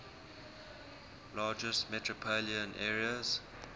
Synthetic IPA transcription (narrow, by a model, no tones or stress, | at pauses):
lɑːd͡ʒəstmɛtʰɹɔpʰoliə̃nʔɛːɹiəz̥